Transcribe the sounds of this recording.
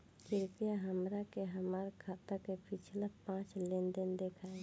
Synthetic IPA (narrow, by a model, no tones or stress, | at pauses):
kɪɾpijaɦəmɾakeɦəmaːɾkʰaːt̪akepɪt͡ʃʰlapãːt͡ʃlend̪ənd̪ekʰaẽ